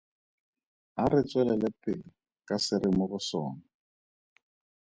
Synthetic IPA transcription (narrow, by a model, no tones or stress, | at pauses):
arɪt͡sʼwɛlɛlɛpʼɪlɪ | kʼasɪɾɪmʊɣʊsɔ̰ːna